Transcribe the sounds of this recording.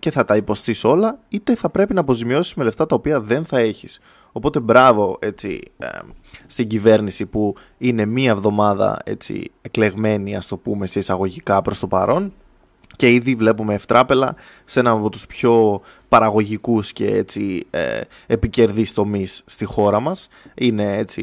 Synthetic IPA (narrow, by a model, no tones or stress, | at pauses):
ce̞θɐt̪ɐipo̞st̪iso̞lɐit̪e̞θɐpɾe̞pinɐːpo̞zimio̞simele̞ft̪ɐt̪ɐo̞piɐðe̞nθɐe̞çis | o̞po̞t̪e̞bɾɐvo̞e̞t͡sḭ | st̪iɟive̞ɾnisipu | ine̞miɐevðo̞mɐðɐ̰e̞̰t͡sḭekle̞ɣme̞niɐst̪o̞pume̞se̞isɐɣo̞ʝikɐpɾo̞st̪o̞pɐ̰ɾʔo̞n | ce̞iðivle̞pume̞ːft̪ɾɐpe̞lɐ̰ | se̞nɐːpo̞t̪u̥spço̞ | pɐɾɐɣo̞ʝikusce̞̰ḛt͡sḭ | epice̞ɾðist̪o̞misːt̪ixo̞ɾɐmɐs | ine̞et͡sḭ